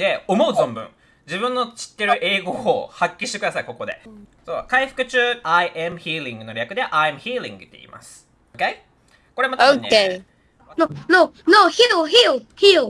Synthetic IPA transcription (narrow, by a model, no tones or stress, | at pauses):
d̪eo̞mo̞ɯ̟zõ̞mbɯ̟̰̃ŋ | d͡ʑibɯ̟̃nːo̞t͡ɕi̥t̪ːe̞ɾɯ̟ʔe̞ːɡo̞ːhakʲːiɕi̥t̪e̞kɯd̪asaiko̞ko̞d̪e̞̰so̰ːkaiɸɯ̟̥kɯ̟t͡ɕɨːaiʔemɯ̟çiːɾʲĩŋɡɯ̟no̞ɾʲakɯ̟d̪eʔajmɯ̟çiːɾʲḭ̃ŋɡɯ̟t̪ːe̞̰ḭːmʔa̰sɨ̥ | oke | ko̞ɾe̞mat̪onkee | nononoçioçiohio